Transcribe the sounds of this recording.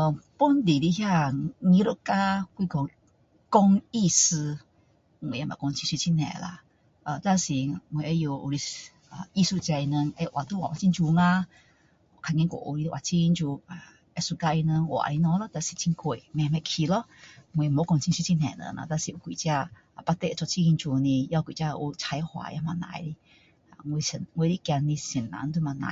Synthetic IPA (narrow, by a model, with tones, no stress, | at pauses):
ə˧˨pu˦nd̪i˨li˧ɦja˧ŋĩ˧˦ɾə˧˨ʔka˦kwi˧kɔ˧ŋ | kɔ˧ŋi˧sɨ˧ | ŋ˨e˨ja˧mã̰˨kɔ˧ŋt͡ɕʰi˧nswi˧t͡ɕʰi˦˧nɛ̰̃˨la̰˧ | ʔə˧˨t̪a˧ŋsi˨ŋ˧e˨a˧˦˧jo˧ʔṵ˧ɾi˧ | ə˨i˧su˧˨t͡ɕa˧i˧nə˧ŋa˧jʔwa˨t̪u˧˦˨wa˨wa˨i˦nt͡ʃu˧ŋã˧ | ɔ˨kʰa˧ŋɛ̃˧˦ko̰˨˧˨ʔu˧ɾi˧t̪wa̰˨t͡ɕʰi˧nt͡ɕu˧a˧˨ | ɛ˧su˧ka˧ʔi˧nə˧ŋʔɔ̰˨ʔa̰˧i˧nɔ˧lɔ˧˦t̪a˧si˨˧t͡ɕʰi˧ŋko˧˨jmɛ˧mɛ˧kʰi˧lɔ˦ŋwe˧mo˧˦kɔ˧ŋt͡ʃʰi˧˦su˧t͡ʃi˧nɛ̰˧˨nə̰˧˨na̰˧˨d̪a˧si˨˧u˧kʷi˨t͡ɕi˧a˧˨ | pa˧t̪e˧ʔt͡ʃɔ˧t͡ʃi˧ɡi˧nt͡ʃu˧ni˧ja˧kwi˨t͡ɕa˧ʔu˧t͡ʃʰa˧jhwa̰˧˨ja˧ma˧na̰˧˨jɾi˧ | a˧˨ŋwo˧sə˧nŋwo˧ɾi˧kja˧nːi˧si˨˩nːa̰˧˨˧nt̪u˧ma˧na̰˨